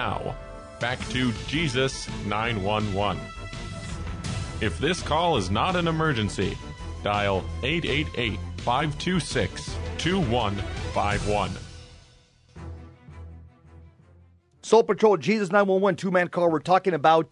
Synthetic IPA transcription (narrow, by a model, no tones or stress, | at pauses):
a̰ʊ | b̥æktʰɨd͡ʒizɨsnãɪ̃nwʌ̃nwʌ̃n | ɨfðɪskʰɔlˠəznəɾɨ̃nəmɜ˞d͡ʒɨ̃nsḭ | d̥aɪlˠeɪɾeɪɾḛɪtfaɪv̥tʰʉsɪkstʰʉwʌ̃nfaɪvwʌ̃n | sɔl̚ˠpətʰɹ̥oʊlˠd͡ʒizɨs̬nãɪ̃nwʌ̃nwʌ̃ntʰʉmæ̃nkʰɑɹwə˞tʰɔkɪ̃ŋɨbaʊt̚